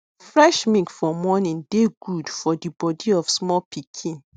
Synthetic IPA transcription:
fɹɛʃmĩkfɔmɔnĩndeɡudfɔdibɔdiɔfsmɔlpʰikʰĩn

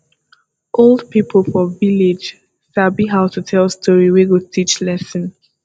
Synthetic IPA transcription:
ʔolˠdpipʰəl̩ˠfɔvilɪd͡ʒ | sabiɦaʊtutʰɛlˠstʰɔɹiwiɡotʰit͡ʃlɛsə̃n

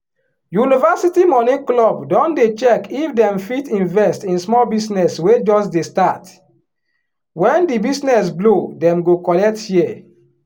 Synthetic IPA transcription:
junivasitimɔnĩklɔbdɔ̃ndet͡ʃɛkifdɛ̃mfitĩnvɛstĩnsmɔlbisnɛswed͡ʒɔsdestat | wɛ̃ndibisnɛs̬blodɛ̃mɡokɔlɛk̚tji

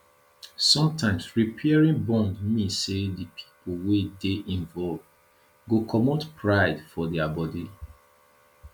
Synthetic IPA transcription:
sɔ̃mtʰãɪ̃msɹipʰɛɹĩnbɔ̃ndmĩsedipʰi̥powedeʔĩɱvɔlvd | ɡokʰɔmotpʰɹaɪdfɔdɛabɔdi

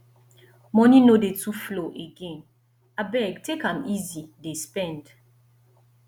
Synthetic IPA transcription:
mɔninodetʰufloʔeɡẽn | abɛɡtekãmizidespɛ̃nd

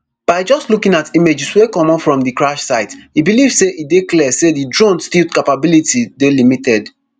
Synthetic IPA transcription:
b̥aɪd͡ʒɔstlukĩnatimed͡ʒiswekɔ̃mɔ̃fɹɔ̃mdɨkɹaʃsaɪtibilivseʔidekliɛsedidɹõnstikapabilitidelimitɛd

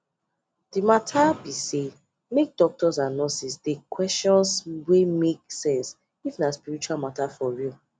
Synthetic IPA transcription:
d̥imatʰabise | mek̚dɔk̚tɔsãnɔsisdekʰwɛstɔ̃nswemeksɛ̃ns | ifnaspiɹit͡ʃualmatafɔɹi

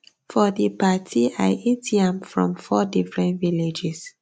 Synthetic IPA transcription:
fɔdipatʰiaɪʔetiãmfɹɔ̰̃mfɔdifɹɛ̃ntviled͡ʒɛs

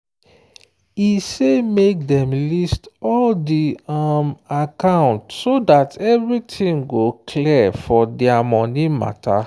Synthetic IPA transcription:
isemek̚dɛ̃mlistɔldiamakãʊ̃ntsodatʰɛvɹitʰĩŋɡokʰlɛfɔdɛamɔnima̰tʰa̰

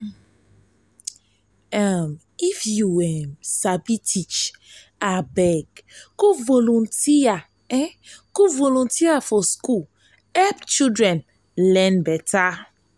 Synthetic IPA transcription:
am | ifjuɛmsabitʰit͡ʃ | abɛɡkuvolũntia | ɛkuvolũntiafɔskul | ɛpt͡ʃidɾɛ̃n | lɛ̃nbɛta

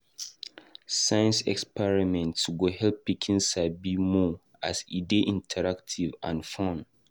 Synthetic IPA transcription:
sajə̃nsɛ̰kspɛɹimɛ̃ntsɡohɛlpikʰĩnsabimɔ | asideʔĩntʰɛɹaktʰivã̰nfɔ̃n

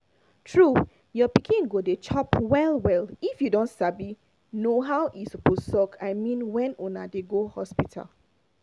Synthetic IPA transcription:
tʰɹu | jɔpikʰĩnɡodet͡ʃʰɔpwɛlwɛlifjudõntsabi | noɦawʔisɔposɔkʰaɪmĩnwɛ̃nũna̰deɡohɔspitʰa̰l

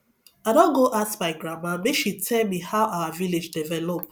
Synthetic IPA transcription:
adɔ̃nɡoʔasmaɪɡɹamãmeʃitʰɛlmihaʊʔawaviled͡ʒdivɛlop

